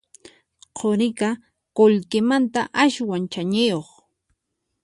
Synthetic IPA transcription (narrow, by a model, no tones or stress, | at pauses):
qʰoɾɪka | koʎkɪmant̪aʔaʃwant͡ʃaɲɪjoχ